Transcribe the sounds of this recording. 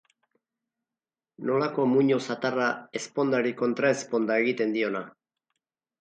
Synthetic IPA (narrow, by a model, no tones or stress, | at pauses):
no̞lako̞muɲo̞sat̪arae̞spo̞nd̪aɾiko̞nt̪ɾae̞spo̞nd̪ae̞ɣit̪e̞nd̪io̞na